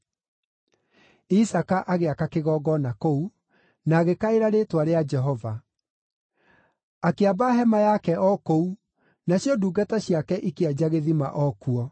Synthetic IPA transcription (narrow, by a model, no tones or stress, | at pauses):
isakaʔaɣeakakeɣɔːɡɔnakou | naːɣekaeɾaɾetwaɾead͡ʒɛɦɔva | akeabaɦɛmajakɛʔɔkou | naɕjɔduːɡataɕiakɛʔikead͡ʑaɣeðima̰ʔɔkuɔ